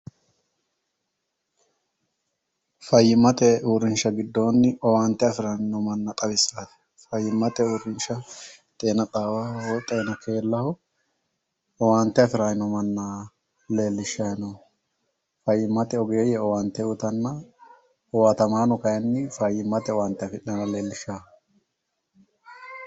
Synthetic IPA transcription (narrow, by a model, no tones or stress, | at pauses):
fɐjːɪmɐt̪ɛuːɾɪnʃɐɡɪd̪ːo̞ːnːɪɔwaːnt̪ːɛɐfɪɾɐnɪnɔmɐnːɐt̪ʼɐbɪsafɛ̥ | fɐjːɪmːɐt̪ɛuːɾɪnʃɐ | t̪ʼe̞ːnɐt̪ʼaːwɐɔt̪ʼeːnɐkʰeːlːɐhʊ | ɔwaːnt̪ːɛɐfɪɾanɪnɔmɐnːɐ | le̞ːlːɪʃːanɔ | fɐjːɪmːɐt̪ɛɔɡejɛɔwaːnt̪ɛʊt̪ɐnːɐ | ɔwat̪ɐmaːnɔkɐjɛnːɪfɐjːɪmɐt̪ɛɔwant̪ːɛɐfɪᶑɐnɐle̞ːlːɪʃːaː